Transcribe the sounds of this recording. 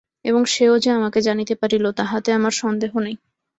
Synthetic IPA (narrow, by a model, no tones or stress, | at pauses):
eboŋʃeod͡ʑeamaked͡ʑanit̪epaɾilot̪aɦat̪eamaɾʃɔnd̪eɦonej